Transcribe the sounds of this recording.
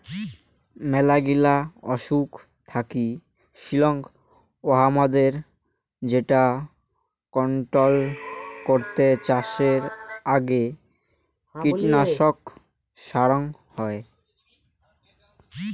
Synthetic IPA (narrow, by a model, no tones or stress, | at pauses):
mɛlaɡilaɔʃuk | t̪ʰaki | ʃilɔŋ | oɦamad̪eɾ | d͡ʑeʈa | kɔɳʈɾolkoɾt̪et͡ɕaʃeɾaɡe | kiʈnaʃok | ʃaɾoŋhɔe